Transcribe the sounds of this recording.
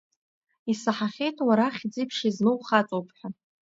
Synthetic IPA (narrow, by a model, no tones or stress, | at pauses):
isaħaχʲejtʰwaɾaχʲd͡zipʰʂiznɨwχat͡sʼowpʰħʷᶣa